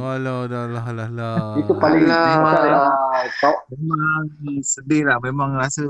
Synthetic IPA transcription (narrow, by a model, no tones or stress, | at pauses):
waladalaɦlalait̪upalɪŋamaaat̪ɔʔmemaŋsədɪlahmemãŋɾasə